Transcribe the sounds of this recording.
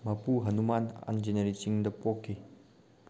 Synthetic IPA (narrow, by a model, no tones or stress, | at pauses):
mɐpuɦɐnumana̰nd͡ʒeneɾit͡ʃiŋdɐpokʰːi